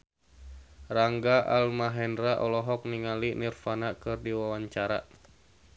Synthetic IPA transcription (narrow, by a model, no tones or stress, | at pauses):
raŋɡaʔalmaɦɛndraʔɔlɔɦɔk̚niŋalinirfanakɨrdiwawaɲt͡ʃaɾa̰